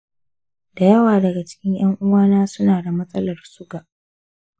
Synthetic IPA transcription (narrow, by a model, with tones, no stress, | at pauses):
d̥a˨jɐ˦waː˨dɐ˨ɡa˨t͡ʃɪ̥˦kʲɪ˦ɲj̰ɐ˦ŋʔʊ˦waː˦naː˦sʊ˦naː˨da˨mɐ˦sʼɐ˦lɐ˨rsʊ˦ɡa˨ʔ